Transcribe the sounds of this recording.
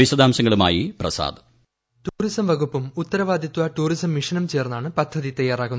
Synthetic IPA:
isɐd̪aːmsɐŋːɐɭuma̰ːjiprɐ̰sa̰ːd̪ɐ | ʈuːrisɐmʋɐɣupːumut̪ːɐɾɐʋaːd̪ʱjɐt̪ːʋɐʈuːrisɐmːiʂɐnɐmt͡ɕeːrnːaːɳɨpɐd̪ʱːɐðit̪ɐjːaːraːɣunː

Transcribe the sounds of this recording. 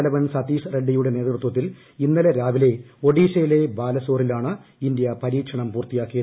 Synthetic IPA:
lɐʋɐnsɐt̪iːsreɖːijuɽe̞ne̞ːt̪rɨt̪wɐt̪̬ːil | inːɐleɾaːʋile̞o̞ɽiːɕɐjile̞baːlɐso̞ːrilaːɳɨind̪ijɐpɐɾiːkʂɐɳɐmpuːrt̪ːijaːkːijɐ

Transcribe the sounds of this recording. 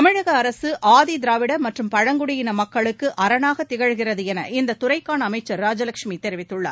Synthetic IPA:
ɐmɪɻɐɣɐːɾɐsɯʔaːðid̪ɪɾaːʋɪɽɐmɐʈrɯmpɐɻɐŋɡʊɽɪjɪnɐmɐkːɐɭɯkːɯʔɐɾɐnaːɣɐt̪ːɪɣɐɻɣɪrɐðɯɛnɐ̰ʔɪnd̪ɐt̪ʊrɐɪkːaːnɐːmɐɪt͡ʃːɐɾːaːd͡ʒɐlɐkʂmit̪ɛɾɪʋɪt̪ːɯɭːa̰ːɾ

